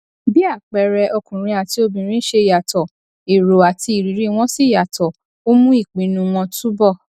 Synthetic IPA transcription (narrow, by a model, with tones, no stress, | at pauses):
bi˦a˦˨k͡pɛ˨ɾɛ˧ʔɔ˧kũ˨ɾ̃ĩ˧a˨ti˧o˧bĩ˨ɾ̃ĩ˦ʃe˧˨ja˨tɔ˨ | i˨ɾo˨a˨tʰi˧i˨ɾi˨ɾi˦˧w̃ɔ̃˦si˦˨ja˨tɔ˨ | o˦mũ˦i˦˨k͡pĩ˨nũ˧w̃ɔ̃˧tu˦bɔ˦˨